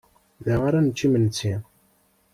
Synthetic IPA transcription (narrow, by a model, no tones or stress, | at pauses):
ðæʁaɾanət͡ʃːimənt͡sːi